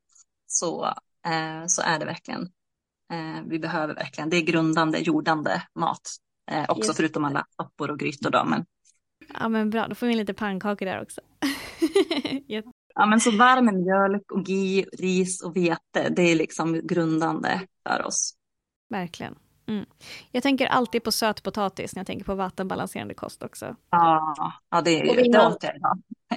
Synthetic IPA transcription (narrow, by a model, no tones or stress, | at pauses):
sɔ̰ | sɔ̰ʔæɖɛvæ̰ɾklɪɡə̰n | vɪbɛɦøːvəɾvæ̰ɾklɪɡənd̪ɛːɡɾɵnd̪and̪ə̰juːɖand̪ə̰mɑ̰ːt̪ | ʔɔksɔfœɾʉ̟ːt̪ɔmalːa̰sɔpːʊɾɔɡɾyːt̪ʊɖɔ̰mɛ̰n | ʔɑ̰ːmɛnbɾɑ̰ːd̪ɔfoːɾvɪnliːt̪əpʰaŋkʰɑːkəɖæ̰ːɾɔ̰ksɔ̥ | jɛt̪ː | ɑːmɛnsɔvaɾməmjœlkɔɡiːɾiːsɔveːt̪ə̰d̪ɛæɭɪksɔmɡɾɵnd̪and̪ə̰fœ̰ɾɔ̰s | væɾklɪɡə̰n | m̩ːjɑɡt̪ʰɛŋk̬əɾʔa̰lt̪iːd̪̚pʰɔsøːt̪pʰʊt̪ʰɑːt̪ɪ̰snɛjat̪ɛ̰ŋkəɾpʰɔvat̪ːənbalansḛːɾand̪əkʰɔ̰st̪ɔksɔ̰ɑːɑːd̪ɛ̰d̪ɛatəja̰ɪd̪ɑ̰ː